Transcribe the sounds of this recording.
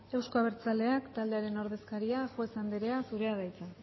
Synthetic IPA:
e̞wsko̞aβ̞e̞ɾt͡sald̪e̞akt̪ald̪e̞aɾe̞no̞ɾð̞e̞skaɾiaʝoe̞sand̪eɾe̞asuɾe̞að̞ajt͡sen

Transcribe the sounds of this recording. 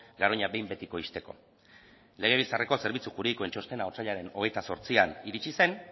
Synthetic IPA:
ɡaɾoɲabe̞jmbe̞t̪iko̞ist̪e̞ko̞̰ | le̞ɣ̞e̞β̞ilt͡sare̞ko̞se̞ɾβ̞it͡suxuɾeiko̞ent͡ʃost̪e̞naot͡saʎaɾe̞no̞ɣ̞e̞jt̪aso̞ɾt͡sianiɾit͡ʃise̞n

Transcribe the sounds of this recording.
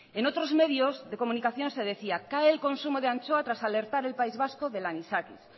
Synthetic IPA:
enot̪ɾo̞zme̞ðjo̞zðe̞ko̞munikaθjo̞nse̞ð̞e̞θiakaeːlko̞nsumoð̞eant͡ʃoat̪ɾasale̞ɾt̪aɾe̞lpaizβaskoðe̞lanisakḭs

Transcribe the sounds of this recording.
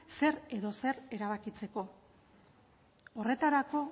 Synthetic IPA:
se̞ɾe̞ðo̞se̞ɾe̞ɾaβ̞akit͡se̞ko̞ | ore̞t̪aɾako̞

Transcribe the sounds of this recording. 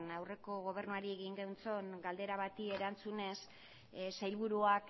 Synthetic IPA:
nawre̞ko̞ɣ̞o̞β̞e̞rnuaɾie̞ɣiŋɡewnt͡so̞ŋɡald̪e̞ɾaβat̪ie̞ɾant͡sune̞s | sajlβuɾuak

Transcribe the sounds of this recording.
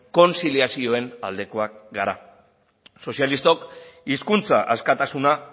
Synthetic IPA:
ko̞nsiliasio̞e̞na̰ld̪e̞ko̞ak̚ɡaɾa | so̞sialist̪o̞kiskunt͡saʔaskat̪asuna

